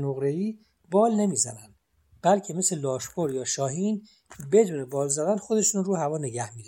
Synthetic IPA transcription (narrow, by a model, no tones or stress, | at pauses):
noɣɾe̞iː | bɒːlne̞miːzæ̰nænd̪̥ | b̥ælcʰe̞me̞selɒːʃpʰoɾjɒːʃɒːɦiːn | be̞d̪uːnebɒːlzæd̪ænxo̞d̪e̞ʃunruːhævɒːne̞ɟæhmiːd̪